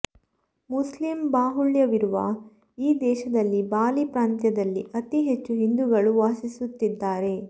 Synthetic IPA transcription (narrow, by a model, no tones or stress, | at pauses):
muslimbaːɦuɭjɐʋiɾuʋɐ̰ | iːd̪ɛːʃɐd̪ɐlːibaːlipɾaːnt̪jɐd̪ɐlːḭʔɐt̪iɦet͡ʃːuɦind̪uɡɐɭuʋaːsisut̪ːid̪ːaːɾe̞